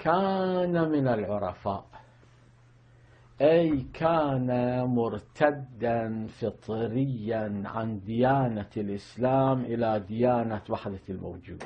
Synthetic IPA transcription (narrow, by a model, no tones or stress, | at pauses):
kaːnamɪnalʕʊɾˤɑfaːʔ | ʔajkʰaːnamʊɾt̪ʰad̪ːanfɨt̪ˤɾɪjːanʕa̰nd̪ɪjaːnalʔɪslaːmʔɪlad̪ɪjaːnawaħd̪almo̰wd͡ʒuːd̪